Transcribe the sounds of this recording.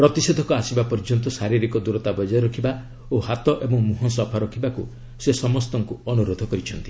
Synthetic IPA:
pɾɔt̪ised̪ʱɔkɔasibapɔɾd͡ʒɔnt̪ɔsaɾiɾikɔd̪uɾɔt̪abɔd͡ʒɔjɔɾɔkʰiba | ohat̪ɔʔebɔŋmuɦɔns̬ɔpʰaɾɔkʰibaku | sesɔmɔst̪ɔŋkuɔnuɾod̪ʱɔkɔɾit͡ʃʰɔnt̪i

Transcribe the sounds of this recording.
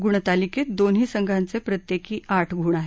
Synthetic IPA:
ɡuɳ̃t̪aliket̪̚d̪onɦiːsəŋɡʱant͡sepɾət̪jekiːaʈʰɡʱuɳ̃aɦe

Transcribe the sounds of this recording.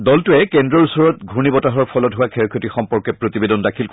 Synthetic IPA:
dɔltʊɛkɛndɹɔɹusɔɹɔt̚ɡʱunibɔtaɦɔɹpʰɔlɔtɦʊwakʰɛɹkʰotixɔmpɔɹkɛpɹotibedɔndakʰil

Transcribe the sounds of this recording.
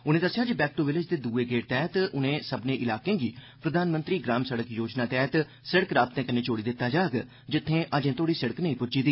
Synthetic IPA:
ʊnẽːd̪əsːɪjaːd͡ʒbɛːk̚ʈoːʋɪlɪd͡ʒd̪eːd̪uːeːɡeːɾt̪ɛːt̪ʊnẽːsəbnẽːʔɪlaːkẽːɡiː | pɾəd̪ʱaːnmənt̪ɾiːɡɾaːmsəɽəkjoːd͡ʒnaːt̪ɛːt̪ | sɪɽəkɾaːbt̪ẽːkəneːt͡ʃoːɽiːd̪ɪt̪ːaːd͡ʒaːɡ | d͡ʒɪt̪ʰːẽːʔəd͡ʒẽːt̪ʰoːɽiːsɪɽəknəĩːpʊd͡ʒiːd̪iː

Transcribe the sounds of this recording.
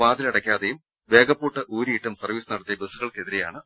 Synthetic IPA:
ʋaːd̪ilɐɽɐkʲːaːðejum | ʋe̞ːɡɐpːuːʈːɨʔuːɾiːʈːɐmsɐrʋiːsɨnɐɽɐt̪ːijɐbesuɣɐɭke̞ðiɾe̞ja̰ːɳɨ

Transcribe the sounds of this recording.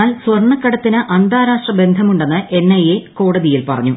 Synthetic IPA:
aːlsʋɐrɳɐkːɐɽɐt̪ːinɨʔɐnd̪ʱaːɾaːʂʈrɐbe̞nd̪ʱɐmuɳɖe̞nːɨʔe̞nːɐjeko̞ːɽɐðijilpɐrɐ̰ɲːu

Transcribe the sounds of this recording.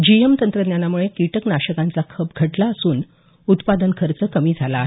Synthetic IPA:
d͡ʑiemt̪ənt̪ɾəd̪njanamuɭekiʈəknaɕəkãnt͡sakʰəp̚ɡʱəʈlaəsuːn | ut̪pad̪ənkʰəɾt͡səkəmiːd͡zʱalaːɦe

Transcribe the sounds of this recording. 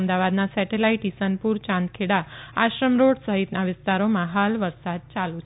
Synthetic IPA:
md̪aʋad̪nasɛʈelaiʈisənpuɾt͡ʃãnd̪̚kʰeɽaaʃɾəmɾoɽsəɦit̪naʋɪst̪aɾomãɦalʋəɾsad̪̚t͡ʃalũt͡ʃʰ

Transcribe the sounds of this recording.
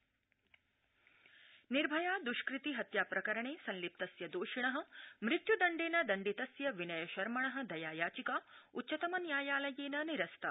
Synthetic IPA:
niɾbʱɐjaːd̪uʃkɾit̪iɦɐt̪jaːpɾɐkɐɾɐɳeːsɐ̃nlip̚t̪ɐsjɐd̪oːʃiɳɐɦɐ̆mɾɪt̪jud̪ɐɳɖeːnɐd̪ɐɳɖit̪ɐsjɐʋinɐjɐʃɐɾmɐɳɐɦɐ̆d̪ɐjaːjaːt͡ʃikaːutːʃɐt̪ɐmɐnjaːjaːlɐjeːnɐniɾɐst̪ʰɐ

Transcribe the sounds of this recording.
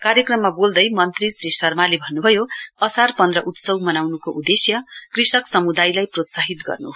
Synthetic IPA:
kaɾjʌkrʌmːabold̪ʌjmʌnt̪risɾisʌrmalebʱʌnːubʱʌjoʌsarpʌnd̪rʌʔut̪sʌwmʌnawnukoʔud̪esjʌkrisʌksʌmud̪ajlajprot̪saɦit̪ɡʌ̰rnu

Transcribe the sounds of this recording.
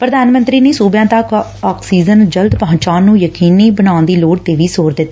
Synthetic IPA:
pɾəd̪aːnmə̃nt̪ɾiːneːsuːbjãːt̪əkɔːksiːzənd͡ʒəld̪pəɦʊ̃ɲt͡ʃãːnːũːjəkiːniːbənaːʊ̃nd̪iːloːɽt̪eːʋiːsoːɾd̪ɪt̪ː

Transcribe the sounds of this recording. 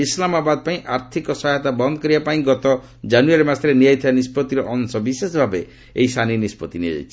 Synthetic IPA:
islamabad̪ɔpaĩʔaɾt̪ʰikɔsɔɦajt̪abɔnd̪ɔkɔɾiapaĩɡɔt̪ɔ | d͡ʒanuaɾemasɾenijajt̪ʰibanispɔt̪iɾɔʔɔnsɔbisesbʱabe | ḛisaninispɔt̪inia̰jt͡ʃʰi̥

